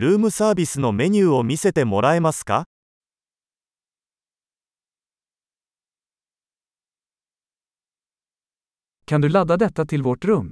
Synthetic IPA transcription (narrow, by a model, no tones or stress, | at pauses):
ɾɯ̟ːmɯ̟saːbisɨno̞me̞ɲʲʉːomise̞t̪e̞mo̞ɾʔaemaska̰ | kʰɑnd̪ʉ̟ːlad̪ad̪ɛt̪ːat̪ʰɪlvɔʈɾɵm